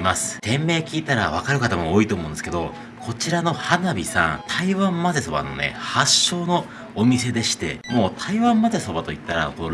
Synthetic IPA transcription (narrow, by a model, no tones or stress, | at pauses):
masɨ̥t̪ẽ̞mːe̞ːkʲiːt̪aɾa̰β̞akaɾɯ̟kat̪amooːit̪o̞ːmo̞ɯ̃nsɨ̥ke̞d̪o̞ | kʰo̞t͡ɕiɾano̞hanabʲisã̰nt̪ʰaiβãmːaze̞so̞ba̰no̞̰ne̞̰haɕːo̞ːno̞ː | mʲise̞d̪e̞ɕi̥t̪e̞̰mo̞ːt̪ʰaiβãmːaze̞so̞bat̪o̞it̪ːaɾa̰t̪o